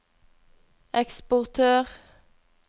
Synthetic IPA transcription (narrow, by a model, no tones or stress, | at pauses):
ʔɛkspʊʁt̪ʰøːʁ